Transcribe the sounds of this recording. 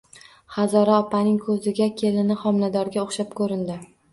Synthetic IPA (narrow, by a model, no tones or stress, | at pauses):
χazɒɾaɒpʰanɪŋkʰɵzɪɡʲakʲʰe̞lɪnɪχɒmnad̪ɒɾɡʲaoχʃap̚kʰɵɾɪnd̪ɪ